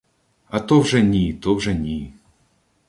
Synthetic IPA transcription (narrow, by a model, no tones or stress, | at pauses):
ɐt̪ɔwʐɛnʲit̪ɔwʐɛnʲi